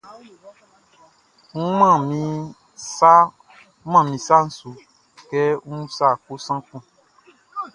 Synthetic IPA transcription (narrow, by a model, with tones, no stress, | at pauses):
ŋ̩˦mã˦˨mĩ˨ | sa˦ | mã˦˨mĩ˨sa˦n̩˦su˨ | kɛ˦ũ˦ũ˦sa˦˨k͡po˦sã˦k͡pũ˦˨